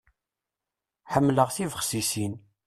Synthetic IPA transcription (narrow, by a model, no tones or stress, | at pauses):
ħəmːləʁθivəχsisin